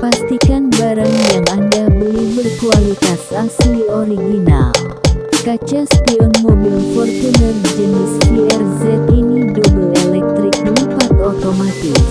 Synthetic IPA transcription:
past̪ikanbaɾaŋjaŋandabəlɛhbərkualit̪asaslioɾiɡina̰ | kat͡ʃaspiɔnmɔbilfɔrt̪unərd͡ʒənɪspiɛrzɛt̪inidubuŋɛlɛk̚t̪ɾɪk̚nəmfat̪ot̪omat̪ɪs

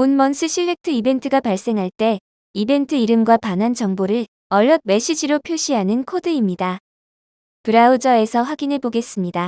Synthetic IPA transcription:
onmʌnsʰɯɕʰiɭːe̞k̚tʰɯibe̞ntʰɯɡapaɭs͈e̞ŋɦaɭt͈e̞ | ibe̞ntʰɯiɾɯmɡwapanɦant͡ɕʌŋboɾɯɭ | ʌʎːʌd̚me̞ɕ͈id͡ʑiɾopʰjoɕʰiɦanɯnkʰodɯimɲida | pɯɾaud͡ʑʌe̞sʰʌɸwaɡineɭpoɡe̞s͈ɯmɲida

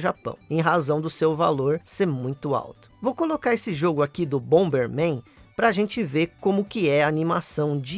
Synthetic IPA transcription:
ʒapɐ̰̃w̃ẽj̃ɦazɐ̃w̃d̪ʊsewva̰loɾseɾmũj̃t̪ʊa̰wt̪ʊ̥vowkolokaɾesɪʒoɡʊakid̪ʊbõw̃beɾmẽj̃pɾɐːʒẽnt͡ʃɪveɾkõmʊkɪɛaːnimasɐ̃w̃d͡ʒɪ

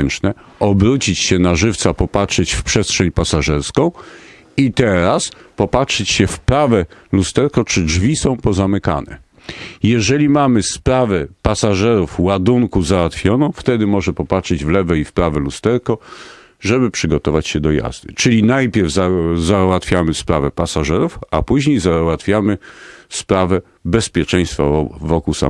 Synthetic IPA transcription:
nt͡ʂnɛ | ʔɔbɾut͡ɕit͡ɕɕɛnaʐɘft̪sapɔpatʂɛt͡ɕfpʂɛstʂɛɲpasaʐɛɾskɔ̃w̃ | it̪ɛɾaspɔpatʂɛt͡ɕɕɛfpɾavɛlust̪ɛɾkɔt͡ʂɘd͡ʐvʲisɔ̃w̃pɔzamɘka̰nɛ̰ | jɛʐɛlʲimamɘspɾavɛpasaʐɛɾufwad̪uŋkuzawat̪fʲjɔnɔ̃w̃ft̪ɛd̪ɘmɔʐɛpɔpatʂɛd͡ʑvlɛvɛifpɾavɛlust̪ɛɾkɔ | ʐɛbɘpʂɘɡɔt̪ɔvat͡ɕɕɛd̪ɔja̰zd̪ɘt͡ʂɘlʲinajpʲjɛɾvzazawat̪fʲjamɘspɾavɛpasaʐɛɾufapuʑɲejzawat̪fʲjamɘspɾavɛ | bɛspʲjɛt͡ʂɛ̃j̃st̪fa̰vɔkusa̰

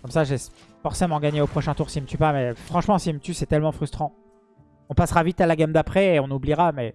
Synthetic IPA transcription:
kɔmsaʒe | fɔʁsemɑ̃ɡaɲeopχɔʃɛ̃t̪uʁsilmət̪ypamɛfχɑ̃ʃmɑ̃silmət̪ysɛt̪ɛlmɑ̃fχyst̪χɑ̃ | ɔ̃pasʁavit̪alaɡʲamd̪apχɛeɔ̃nubliʁamɛ

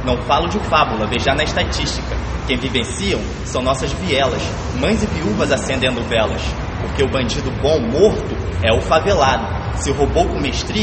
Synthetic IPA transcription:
nɐ̃w̃falʊd͡ʒɪfabulɐveʒanɐɪʃt̪at͡ʃiʃt͡ʃikɐ | kẽj̃vivẽsiɐ̃w̃ | sɐ̃w̃nɔsɐzviɛlɐs | mɐ̃j̃zɪviuvɐzasẽnd̪ẽnd̪ʊvɛlɐ̰s | poɾkeʊbɐ̃d͡ʒid̪ʊbõw̃moɾt̪ʊɛʊfavelad̪ʊ | sɪɦobowkõmeʃt̪ɾi

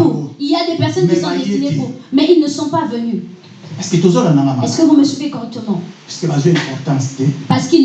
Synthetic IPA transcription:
iljad̪epɛʁsɔnkisɔ̃d̪et̪ineʁomɛilnəsɔ̃pavəny | ɛskilɛt̪ozɔlanãnãaɛsə̥kəvuməsipekɔʁɛk̚t̪əmɑ̃piskəlazøɛ̃pɛ̃t̪ãsit̪epaʁsə̥kil

